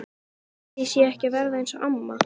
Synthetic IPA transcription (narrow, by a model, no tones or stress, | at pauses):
jisjɛɛhcɪvɛɾðaejnsɔʔamːa̰